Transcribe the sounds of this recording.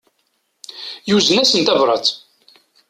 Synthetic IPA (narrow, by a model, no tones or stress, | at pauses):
juzənæsənt̪ævɾˤɑt͡s̪